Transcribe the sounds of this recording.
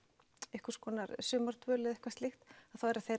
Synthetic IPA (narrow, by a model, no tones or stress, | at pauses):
ɛhkʏ̥ɾ̥skvɔːnaɾsʏːmaɾ̥t̪ʰvœːlɪðɛhkvast̪lɪxt̪aðθawɛɾaθejɾ